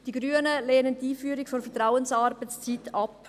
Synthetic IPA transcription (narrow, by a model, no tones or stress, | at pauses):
d̥iɡɾyːənəleːnəntiːfyːɾɪkfonfɛtɾaʊənsɑɾbət͡st͡sitɑp